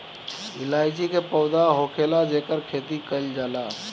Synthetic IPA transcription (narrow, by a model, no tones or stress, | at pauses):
ɪlaːɪd͡ʒikepəʊd̪aɦokʰelad͡ʒeːkəɾkʰeːt̪ikəld͡ʒaːlaː